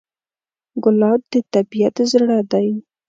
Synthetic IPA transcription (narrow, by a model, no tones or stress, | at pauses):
ɡʊlɑb̚d̪ət̪abijat̪zɽad̪aj